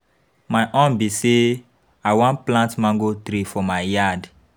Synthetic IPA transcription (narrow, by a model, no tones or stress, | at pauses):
maɪʔɔ̃nbise | awɔ̃nplãntmãŋɡotɾifɔmaɪjad